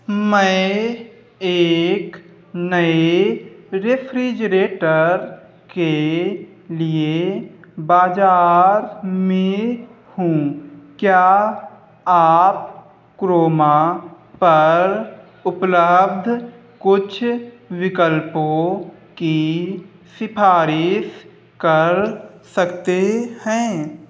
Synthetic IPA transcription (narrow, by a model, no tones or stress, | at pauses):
mɛ̃ | eːk | nəe | ɾepʰɾid͡ʒəɾeːʈəɾ | ke | lie | baːd͡ʒaːɾmẽ | hũkja | aːp̚ | kɾoːma | pɐɾ | ʊpləb̚d̪ʱ | kʊt͡ʃʰ | wɪkəlpõ | ki | sɪpʰaːɾɪs | kəɾsəkt̪ehɛ̃ː